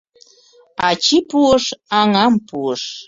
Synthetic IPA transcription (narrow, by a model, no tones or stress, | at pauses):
ɑt͡ɕipuəʃɑŋɑmpuəʃ